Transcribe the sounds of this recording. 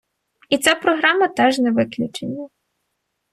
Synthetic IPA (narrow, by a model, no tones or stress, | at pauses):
it̪t͡sʲapɾɔɦɾɑmɐt̪ɛʒnɛʋɪklʲut͡ʃenʲːɐ